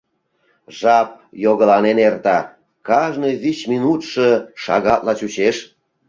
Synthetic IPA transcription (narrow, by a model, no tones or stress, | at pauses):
ʒɑp̚joɣəlɑnenert̪ɑ | kɑʒnojβit͡ɕminut̪ʃɤʃɑ̰ɣɑt̪lɑt͡ɕut͡ɕeʃ